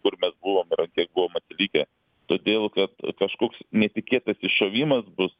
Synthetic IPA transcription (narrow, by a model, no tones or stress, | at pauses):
kʊrmʲɛsbʊʋoːmɪɾɐnkʲiɛk̚buʋoːmɐt̪ʲɪlʲiːkʲɛ | t̪oːd̪ʲeːlˠkɐt̪kɐʃkoːksnʲɛt̪ʲɪkʲeːt̪ɐsɪʃoːʋʲiːmɐsbʊs